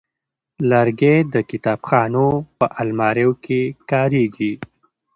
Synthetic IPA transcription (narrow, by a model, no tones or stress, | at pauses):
laɾɡed̪əkɪt̪ɑːbxɑːnopəʔalmɑːɾewkʰekɑːɾeɡi